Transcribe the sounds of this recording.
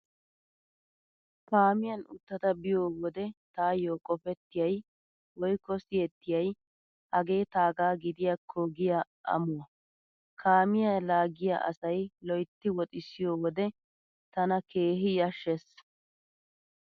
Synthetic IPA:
paːmɪjɐnʊt̪ːɐt̪ɐbɪjoːwɔd̪ɛt̪aːjoːkʼɔfɛt̪ːɪjɐj | wɔjkːɔsɪjɛt̪ːɪjɐj | hɐɡe̞ːt̪aːɡaːɡɪd̪ɪjɐkʰːoɡɪja | ʔɐ̰mʊwɐ | kʰaːmɪjalaːɡɪja̰ʔɐ̰sɐjlɔjt̪ːɪwɔt̪ʼɪsɪjoːwɔd̪ɛ | t̪ɐnɐkeːɦɪjɐʃːɛs

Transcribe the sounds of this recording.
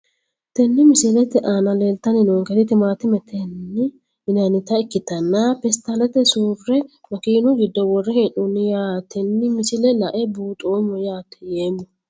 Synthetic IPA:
t̪ɛnːɪmɪsɪlɛt̪ɛʔaːnɐleːlt̪ːɐnɪnoːŋkɛt̪ɪt̪ɪmaːt̪ɪmɛt̪ʰɛnːɪ | ɪnɐnɪt̪ɐɪkːɪt̪ɐnːapɛst̪ɐlɛt̪ɛsuːrːɛmɐkiːnʊɡɪd̪ːɔwɔrːɛhɛnʊnːɪjaːt̪ɛnːɪmɪsɪlɛlɐʔɛbuːt̪ʼoːmɔjaːt̪ːɛ̥jeːmːɔ

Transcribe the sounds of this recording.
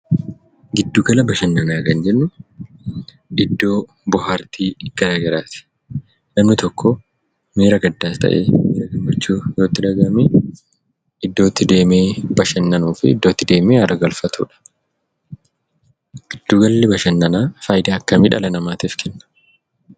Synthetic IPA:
ɡɪd̪ːuɡɐlɐbɐʃɐnːɐnaːkɐnd͡ʒɛnːʊ | ᶑɪd̪ːo̞ː | bʊɦaɾt̪ʰiːɡ̥ɐɾaːɡɐɾaːt̪ɪ̥ | nɐmnɪt̪ɔkːɔ | meːɾɐɡɐd̪ːaːst̪ʰɐ̰ʔḛːmeːɾɐɡɪmːɐt͡ʃːuːjo̞ːt̪ːɪᶑɐɡɐme | ɪd̪ːo̞ːt̪ːɪd̪e̞ːmeːbɐʃɐnːɐnuːfɪɪd̪ːo̞ːt̪ːɪd̪e̞ːmeːɐɾɐɡɐlfɐt̪ʰṵːᶑɐ̥ | ɡ̥ɪd̪̥ːuɡɐlːɛbɐʃɐnːɐnaːfɐjɪd̪aːɐkːɐmɪᶑɐ̰lɐnɐmaːt̪iːfkʰɛnːɐ̥

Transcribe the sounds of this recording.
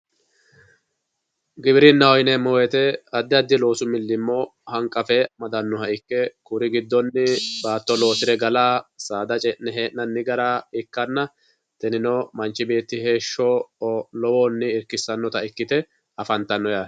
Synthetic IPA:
ɡɪbɾɪnːɐwɔjɪnɛmɔwɛt̪ɛɐd̪ːɪɐd̪ːɪlo̞ːsʊmɪlːɪmːɔhɐŋkʼːɐfɛmɐd̪ɐnːɔhɐɪkːɛkʊɾɪɡɪd̪ːɔnːɪbaːt̪ːɔlo̞ːsɪɾɛɡɐlaːsaːd̪ɐt͡ʃʼɛnnɛɦeːʔnɐnːɪɡɐɾaːɪkːɐnːɐ | t̪ɛnɪnɔmɐnt͡ʃːɪbe̞ːt̪ːɪhe̞ːʃːɔlɔwoːnːɪːɾkːɪsːɐnːɔt̪ɐɪkːɪt̪ɛ | ɐfɐnt̪ːɐnːɔja

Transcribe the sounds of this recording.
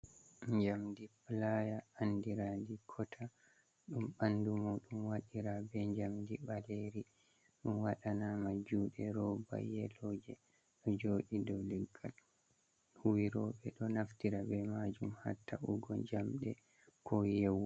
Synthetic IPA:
ɲd͡ʒamdiplajaːndiɾandikʰɔtʰa | ɗumɓandumuɗumwaɗiɾabɛɲd͡ʒamdiɓaleɾi | ɗumwaɗanamad͡ʒuːɗɛɾɔba̰jɛlɔd͡ʒɛ | ɗɔd͡ʒoːɗidɔliɡːa̰l | huwiɾɔɓɛɗɔnaftiɾabɛmad͡ʒumha̰tːaṵɡɔ̰d͡ʒamɗɛ̰ | kʰɔjɛwɔ

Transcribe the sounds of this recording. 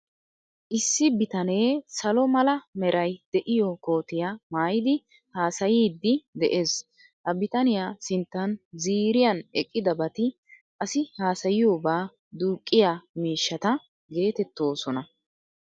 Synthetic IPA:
ʔɪsːɪbɪt̪ɐne̞ːsɐlɔmɐlɐmɛɾʔɐjd̪̥ɛʔɪjɔko̞ːt̪ɪjamaːjɪd̪ɪ | haːsɐjiːd̪ːɪd̪ɛʔe̞ːs | hɐbɪt̪ɐnɪjaːsɪnt̪ːɐnziːɾɪjɐnɛkʼːɪd̪ɐbɐt̪ɪ | ʔɐsɪhaːsɐjɪjoːbaː | d̪uːkʼːɪjamiːʃːɐt̪ɐ | ɡe̞ːt̪ɛt̪ːo̞ːsɔnɐ

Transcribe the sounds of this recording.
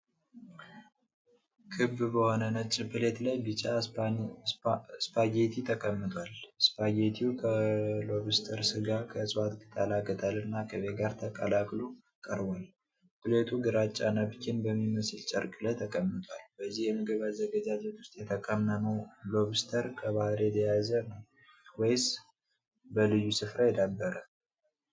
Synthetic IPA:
kʰɨbːbəho̞nənət͡ʃʼɪpɨlet̪lajbɨt͡ʃʼːa | spʰaɡet̪ʰit̪ʰəkʼəmːɨt̪ʰʼwalspaɡet̪ʰiukʰəlo̞βɨst̪ʰəɾsɨɡakʰəsʼwat̪ɡɨt̪ʼalaɡət̪ʰʼalɨnːakʰəβeɡaɾt̪ʰəkʼəlakʼlo | kʼəɾbal | kʼɨlet̪ʰuɡɨɾat͡ʃʼːanəβkʰinbəmːiməsɨlt͡ʃʼəɾkʼɨləjt̪ʰəkʼəmːɨt̪ʰʼwalb̥əzːihjɛməɡəβazːəɡəd͡ʒad͡ʒɛt̪wʊ̥st̪ʼjɛt̪ʰəkʼəmnənəwloβɨst̪ʰəɾkʰəβahɨɾjɛt̪ʰəjazənəw | wɔjs | bəlɨjːusɨfɾajɛd̪abːəɾə

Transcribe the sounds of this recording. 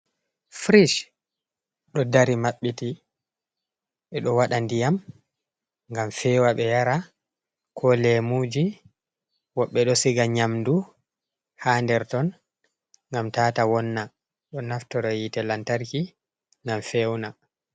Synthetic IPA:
fɾiʃ | ɗɔdaɾimaɓːiti | ɓɛɗɔwaɗandijam | ŋɡamfɛːwaɓɛjaɾa | kʰɔlɛmud͡ʒi | wɔɓːɛɗɔsiɡaɲamdu | haːndɛɾtɔn | ŋɡamtaːtawɔnːa | ɗɔnaftɔɾɔjitɛlantaɾki | ŋɡamfɛwna

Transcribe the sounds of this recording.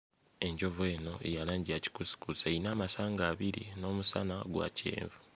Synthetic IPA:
e̞ɲɟo̞ve̞ːno̞ḛjalaːɲɟiaci̥kusi̥kusainaːmasaːŋɡaːβiɾḭno̞ːmusanaɡwa̰ːcʰḛːɱvu

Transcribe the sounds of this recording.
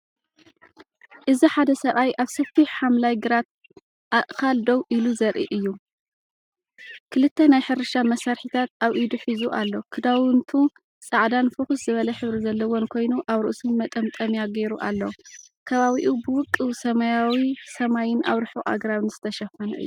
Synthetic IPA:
ʔɨziħad̪ɐsɐβajʔaβsɐfiħħamlajɡɨɾat̪̚ | ʔaʔkʰald̪owʔiluzɐɾʔḭʔɨjːu | kʰɨlɨt̪ːɐnajħɨɾɨʃamɐsaɾħit̪ʰat̪ʔaβʔid̪uħizuʔalːo̞kʰɨd̪awɨnt̪ʰu | sʼaʕd̪anfɨxuszɨβɐlɐħɨβɾizɐlːɐwonkʰo̞jnuʔaβɾɨʔsunmɐt̪ʼɐmt̪ʼɐmjaɡe̞ɾuʔalːo | kʰɐβaβiʔubɨwʊkʼːɨwsɐmɐjawisɐmajɪna̰βɾɨħuʔa̰ɡɾaβɨnzɨt̪ʰɐʃɐfɐnɐ̰ʔɨ̰jːu

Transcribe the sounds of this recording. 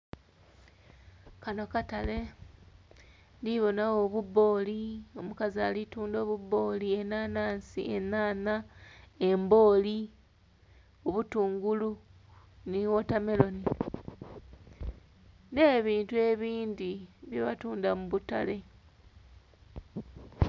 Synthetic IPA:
kano̞katale̞ | ndiβo̞nawo̞βuβo̞ːlio̞mukazialituːndo̞ːβuβo̞ːlie̞nanaːnsḭenaːnae̞mbo̞ːli | o̞βutuːŋɡulu | niwo̞tame̞lo̞ni | ne̞ːβiːntue̞βiːndiβjeβatuːndamuβuta̰le̞

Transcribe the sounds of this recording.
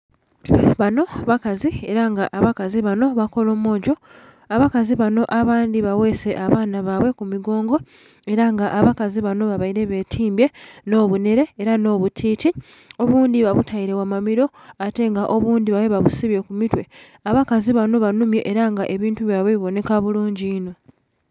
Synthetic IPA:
βano̞βakazie̞ɾaŋɡaʔaβakaziβano̞βako̞lo̞ːmo̞ːɟo̞ | aβakaziβano̞ʔaβaːndiβawe̞se̞ʔaβaːnaβaβwe̞kumiɡo̞ːŋɡo̞ | e̞ɾaŋɡaʔaβakaziβano̞βaβajiɾe̞βe̞ːtʰiːmbje̞no̞ːβune̞ɾe̞ːɾano̞ːβutʰiːti | o̞βuːnd̪iβaβutʰajiɾe̞wamamiɾo̞ | ate̞ŋɡaʔoβuːnd̪iβawe̞βaβusiβje̞kumitwe̞ | aβakaziβano̞βanumje̞ʔeɾaŋɡaʔe̞βiːntuβjaβeβiβo̞ne̞kaβuluːɲɟiːno̞

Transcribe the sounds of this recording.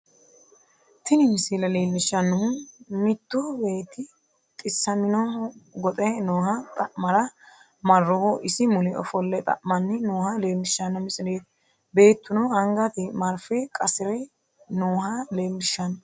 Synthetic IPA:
t̪ɪnɪmɪsilɐleːlːɪʃːɐnːɔhʊmɪt̪ːobe̞ːt̪ːɪ | t̪ʼɪsːɐmɪnɔɡɔt̪ʼɛnoːhɐt̪ʼɐʔmɐɾɐ | mɐrːɔhɔʔɪsɪmʊnɛʔɔ̰fɔlːɛt̪ʼɐ̰ʔmɐnːɪnoːhɐleːlːɪʃɐnːɐmɪsʼɪneːt̪ | be̞ːt̪ːʊnɔɐŋɡɐt̪ɪmɐɾfɛkʼɐsɪɾɛ | noːɦɐleːlːɪʃːɐnɐ

